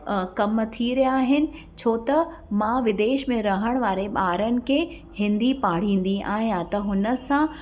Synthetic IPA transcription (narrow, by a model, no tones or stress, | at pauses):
kɐmt̪ʰiɾɐjaːɦɪnɪ̆ | t͡ɕʰoːt̪ɐ | mãʋɪd̪eːʃmẽɾɐɦəɽ̃ʋaːɾeɓaːɾənɪ̆kʰeː | hɪ̃nd̪ipaːɽ̤ĩːn̆d̪iʔaːɦijãt̪ɐɦʊnə̆sã